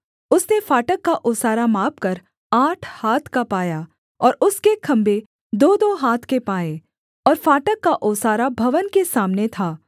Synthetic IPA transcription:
ʊsnefaːʈəkːaʔʊːsaːɾamaːp̚kɐɾ | aːʈʰhaːt̪ʰkapaːjaː | ɔːɾʊskekʰɐ̃mbʱe | d̪oːd̪oɦaːt̪ʰkepaːeː | ɔːɾfaːʈəkːaʔʊːsaːɾabʱɐʋənkesaːmnet̪ʰaː

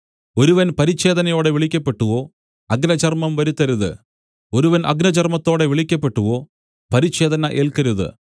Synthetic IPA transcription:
o̞ɾuʋɐnpɐɾiɕe̞ːd̪ɐnɐjo̞ːɽe̞ʋiɭikʲːɐpːe̞ʈːuʋo̞ː | ɐɡnɐt͡ɕɐrmɐmʋɐɾut̪ːɐɾuðɨ̰ | o̞ɾuʋɐnʔɐ̰ɡnɐt͡ɕɐrmɐt̪ːo̞ːɽe̞ʋiɭikʲːɐpːe̞ʈːuʋo̞ː | pɐɾiɕe̞ːd̪ɐnɐʔeːlkɐɾuðɨ̰

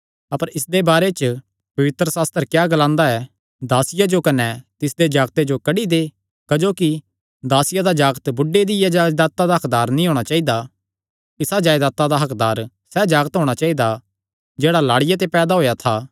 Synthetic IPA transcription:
ɐpəɾɪsd̪ebaːɾet͡ʃ | pɐʋɪt̪ɾəsaːst̪əɾkjaːɡɐlãːnd̪aɛ | d̪aːsɪjad͡ʒokɐnɛt̪ɪsd̪ed͡ʒaːɡt̪ed͡ʒokɐɽid̪e | kɐd͡ʒoːki | d̪aːsɪjad̪ad͡ʒaːɡt̪bʊɖːed̪ɪjad͡ʒaːd̪aːt̪ad̪aɦɐkd̪aːɾnĩɦoːɽ̃at͡ʃaːid̪a | ɪsad͡ʒaːjd̪aːt̪ːad̪aɦɐkd̪aːɾ | sɛd͡ʒaːɡt̪ɦoːɽ̃at͡ʃaːid̪a | d͡ʒeːɽalaːɽɪjat̪̬epɛːd̪aɦoːjat̪ʰaː

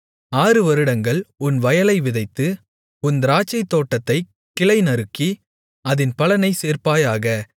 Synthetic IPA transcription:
aːɾɯʋɐɾɯɽɐŋɡɐɭʊnʋɐjɐlɐɪʋɪðɐɪt̪ːɯ | ʊnd̪ɾaːt͡ʃːɐɪt̪ːoːʈːɐt̪ːɐɪ | kːɪlɐɪnɐɾɯkːi | ɐðɪnpɐɭɐnɐɪseːrpaːjaːɣɐ

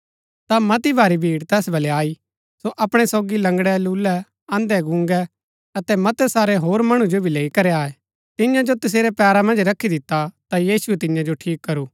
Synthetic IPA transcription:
t̪amɐt̪ibʱaːɾibʱiːɽt̪ɛːsbɐleaːi | soʔɐpɽ̃ɛsoːɡilɐ̃ŋɡɽɛluːlɛ | ãːnd̪ɛɡʊ̃ŋɡɛ | ɐt̪ɛmɐt̪ɛsaːɾeɦoːɾmɐɽ̃ũd͡ʒobʱileːikɐɾeaːe | t̪ɪjãd͡ʒot̪ɪs̬eːɾɛpɛːɾamɐ̃nd͡ʒɾɐkʰːid̪ɪt̪ːat̪ajiːsuɛt̪ɪjãd͡ʒoʈʰiːkːɐɾuː

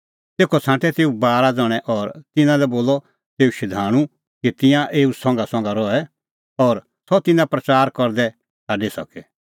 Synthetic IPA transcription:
t̪eːkʰɔt͡sʰãːʈʰɛt̪eːubaːɾad͡zɔɽ̃ɛʔɔɾt̪ɪnãlɛboːlɔ | t̪eːuʃɪd̪ʱaːɽ̃ũ | kit̪ɪ̃jãʔeːusɔ̃ŋ̆ɡasɔ̃ŋ̆ɡaɾɔɛ | ɔɾ | sɔt̪ɪnãpɾɐt͡ʃaːɾkɔɾd̪ɛ | saːɖisɐkɛ

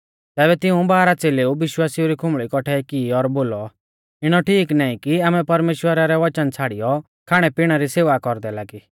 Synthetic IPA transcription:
t̪ɛːβɛt̪ɪũbaːɾat͡seːleuʋɪʃwaːsiuɾikʰʊmɭikɔʈʰɛkiːɔɾboːlɔ | ɪɽ̃ɔʈʰiːknaːĩkiaːmɛpɐɾmeːʃwəɾaɾɛʋɐt͡ʃənt͡sʰaːɽijɔ | kʰaːɽ̃ɛpiɽ̃aɾiseːʋakɔɾd̪ɛlaːɡi

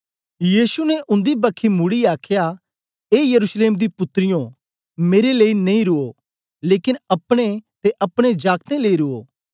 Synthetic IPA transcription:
jiːsunɛʔʊ̃nd̪ibɐkʰːimʊɽiaːkʰja | eːjɐɾuːsleːmd̪ipʊt̪ːɾɪjõ | meːɾeleːinɐĩɾʊo | leːkɪnɐpɽ̃et̪eʔɐpɽ̃ed͡ʒaːkt̪ẽleːiɾʊo̰ː

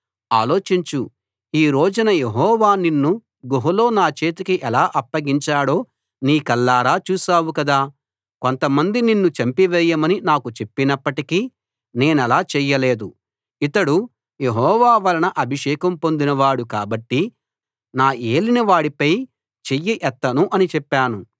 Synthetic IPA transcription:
aːlo̞ːt͡ʃiɲt͡ʃu | iːɾoːd͡ʒunɐje̞ɦɔːʋaːninːu | ɡoɦulo̞ːnaːt͡ʃeːt̪ikiʔɛlaːʔɐpːɐɡiɲt͡ʃaːɽo̞ː | niːkɐlːaːɾaːt͡ʃuːsaːwukɐd̪aː | ko̞nt̪ɐmɐnd̪ininːut͡ʃɐmpiʋɛːjːɐmɐninaːkut͡ʃe̞pːinɐpːɐʈikiː | ne̞ːnɛlaːt͡ʃɛjːɐle̞ːd̪u | it̪ɐɽu | je̞ɦɔːʋaːʋɐlɐnɐʔɐbʱiʃɛːkɐmpo̞nd̪inɐʋaːɽukaːbɐʈːi | naːʔeːlinɐʋaːɽipɐj | t͡ʃejːiʔɛt̪ːɐnuʔɐnit͡ʃɛpːaːnu

